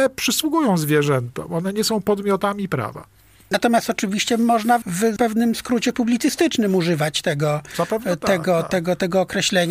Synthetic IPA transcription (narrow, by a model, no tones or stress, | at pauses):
ɛpʂɘswuɡujɔ̃w̃zvʲjɛʐɛnt̪ɔ̰mɔnɛɲɛsɔ̃w̃pɔd̪mʲjɔt̪amʲipɾa̰va̰ | nat̪ɔmʲjast̪ɔt͡ʂɘvʲiɕt͡ɕɛmɔʐnavpɛvnɘmskɾut͡ɕɛpublʲit̪sɘst̪ɘt͡ʂnɘmuʐɘvat͡ɕt̪ɛɡɔapɛvt̪ɛɡɔt̪ɛɡɔt̪ɛɡɔːkɾɛɕlɛɲa